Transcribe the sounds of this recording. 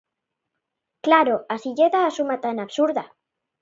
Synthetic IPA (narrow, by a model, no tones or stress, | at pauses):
klaɾoasiʝeðaːsumat̪anaβsuɾða